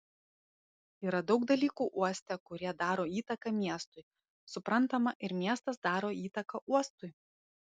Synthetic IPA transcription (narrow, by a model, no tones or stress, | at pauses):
iːɾɐd̪ɒʊkd̪ɐlʲiːkuːʔuɔsʲt̪ʲɛkʊɾʲiɛd̪ɑːɾoːiːt̪ɐkɐmʲiɛst̪ʊɪ | sʊpɾɐnˑt̪ɐmɐʔɪɾmʲiɛst̪ɐsd̪ɑːɾoːiːt̪ɐkɐʔuɔst̪ʊɪ